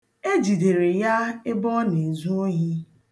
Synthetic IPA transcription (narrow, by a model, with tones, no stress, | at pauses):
e˦d͡ʒi˨de˨ɾe˨ja˦e˦bɔ˦ne˨zu˦o˦ɦi˦